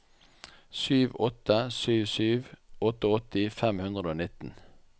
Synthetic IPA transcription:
syːʋɔt̪əsyːʋsyːʋɔt̪əɔt̪ɪfɛmhʉnd̪ʁəd̪oːnɪt̪n̩

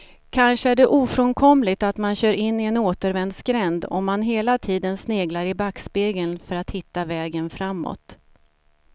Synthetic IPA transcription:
kʰanʂəæɖɛʔuːfɾɔnkʰɔmlɪt̪at̪manɕœːɾɪnːɪɛnoːt̪əɾvɛnd̪skɾɛnd̪ɔ̰mːanɦeːlat̪ʰiːd̪ənsneːɡlaɾɪbakspeːɡənfœɾat̪hɪt̪ːavɛːɡənfɾamːɔ̰t̪

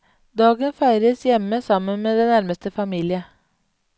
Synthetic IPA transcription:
d̪ɑːɡənfæɪɾəsjɛməsɑmənmeːd̪ɛnæɾməst̪əfɑmiːlɪə

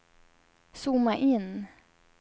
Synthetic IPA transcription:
sumaʔɪn

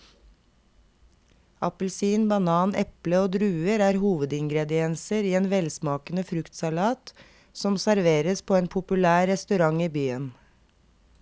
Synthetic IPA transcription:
ɑpəlsiːnbɑnɑːnʔɛpləoːd̪ɾʉːəɾæːɾhuːʋəd̪ɪŋɡɾɛd̪ɪɛnsəɾiːeːnʋɛlsmɑːkənəfɾʉkt̪sɑlɑːt̪ | sɔmsæɾʋeːɾəspʰoːeːnpʰʊpʉlæːɛst̪ʉɾɑŋiːbyːən

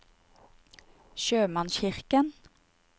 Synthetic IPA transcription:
ʃøːmɑnʃɪʁkən

